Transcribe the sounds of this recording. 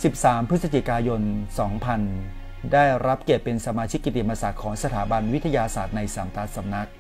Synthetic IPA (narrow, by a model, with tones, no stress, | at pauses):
si˨˩p̚saː˩˦mpʰɾɯ˦˥t̪̚sa˧t͡ɕi˨˩kaː˧jo˧nsɔː˩˦ŋpʰa˧n | daː˥˩jɾa˦˥p̚ke˨˩p̪̚pːe˧nsa˧maː˧t͡ɕʰi˦˥kːi˨˩t̪i˨˩ma˧saː˨˩t̪̚kʰɔː˩˦ŋsa˧t̪ʰaː˩˦ba˧nwt̪ʰa˧jaː˧saː˨˩t̪̚na˧jsaː˩˦mt̪aː˦˥t̪̚sa˧mna˦˥k̚